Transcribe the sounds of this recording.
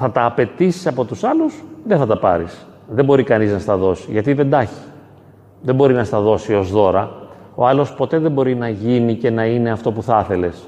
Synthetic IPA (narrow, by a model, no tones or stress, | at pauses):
θɐt̪ɐːpe̞t̪isi̥sɐpo̞t̪usɐlusðeθɐt̪ɐpɐ̰ɾis | ðembo̞ɾikɐniznɐst̪ɐðo̞si̥ʝɐt̪iðend̪ɐçi̥ | ðembo̞ɾinɐst̪ɐðo̞sio̞zðo̞ɾɐ | oɐlo̞spo̞t̪e̞ðe̞bo̞ɾinɐʝinice̞nɐine̞ɐft̪o̞puθɐθe̞le̞s